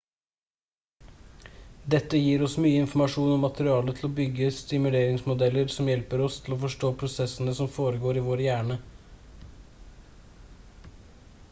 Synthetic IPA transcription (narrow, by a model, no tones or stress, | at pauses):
d̪ɛt̪ːəjiːɾɔsmyːəɪnfɔmɑʂuːnɔmːɑt̪əɾɪɑːlət̪ʰl̩ɔbʏɡːəst̪ɪmʉleːɾɪŋsmʊd̪ɛlːəɾsɔmjɛlpəɾɔst̪ʰɪl̩ɔfɔʂʈoːpʰɾʊsɛsənəsɔmfoːɾəɡoːɾiːʋoːɾjæːɳə